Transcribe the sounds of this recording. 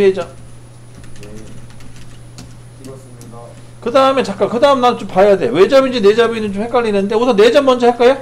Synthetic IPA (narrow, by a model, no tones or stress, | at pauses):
ed͡ʑʌ | kɯdaɯme̞t͡ɕak͈akɯdaɯmenat͡ɕompajade̞jowe̞d͡ʑʌbind͡ʑine̞d͡ʑʌbinɯnt͡ɕomhek͈aɭineɯnde̞osʰʌne̞d͡ʑʌmːʌnd͡ʑʌhek͈ajo